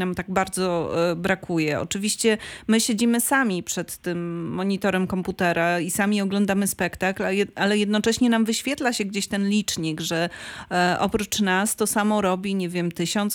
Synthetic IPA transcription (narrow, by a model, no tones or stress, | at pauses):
namt̪aɡbaɾd̪zɔbɾakʰujɛɔ̰t͡ʂɘvʲiɕt͡ɕɛmɘɕed͡ʑimɘsamʲipʂɛt̪ːɘmːɔɲit̪ɔɾɛmkɔmput̪ɛɾaisamʲiɔɡlɔnd̪amɘspɛkt̪aklaalɛjɛd̪nɔt͡ʂɛɕɲɛnamvɘɕfʲjɛt̪laɕɛɡd͡ʑeɕt̪ɛnlʲit͡ʂɲiɡʐɛ | ʔɔ̰pɾut͡ʂnast̪ɔsamɔɾɔbʲiɲevʲjɛmt̪ɘɕɔnt̪s